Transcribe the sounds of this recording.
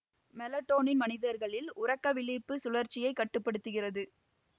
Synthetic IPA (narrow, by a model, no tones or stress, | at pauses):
mɛlɐʈːoːnɪnmɐnɪðɐɾɣɐɭɪlʊrɐkːɐʋɪlɪpːɯsʊlɐɾt͡ʃɪjɐɪkːɐʈːɯpːɐɽɯt̪ːɯɣɪrɐðɯ